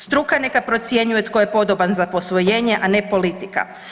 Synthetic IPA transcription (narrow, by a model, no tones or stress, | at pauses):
st̪ɾukane̞kapɾo̞t̪sje̞ɲuje̞t̪ko̞jepo̞d̪obanzapo̞sʋo̞je̞ːɲe̞ʔane̞po̞lit̪ika̰